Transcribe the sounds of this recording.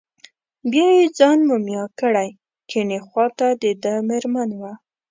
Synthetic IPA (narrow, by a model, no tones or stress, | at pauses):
bjɑjed͡zɑnmumjɑkəɽaj | keɳexwɑt̪ad̪əd̪əmeɾmanwa